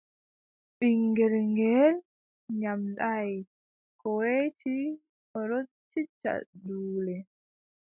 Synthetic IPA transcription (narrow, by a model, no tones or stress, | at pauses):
ɓiŋɡɛɾŋɡɛl | ɲamɗaj | kɔwet͡ʃi | ɔɾɔ | t͡ʃːit͡ʃːa̰duːlɛ